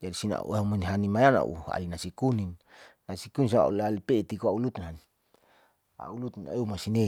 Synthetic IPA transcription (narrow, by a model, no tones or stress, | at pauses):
d͡ʒadisina̰ṵaumanɦanimajana̰ʔṵa̰linasikuninː | asikunins̬aa̰ulalipet̪ikoaulut̪unɦan | a̰ulut̪neumasine